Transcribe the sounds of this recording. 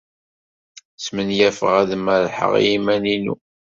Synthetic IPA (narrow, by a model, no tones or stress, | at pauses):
smənjæfəʁæðəmæɾħə̰ʁ̰jimæninṵ